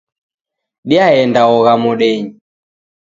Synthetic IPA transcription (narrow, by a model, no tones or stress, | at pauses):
ɗiaɛndaɔɣamuɗɛɲi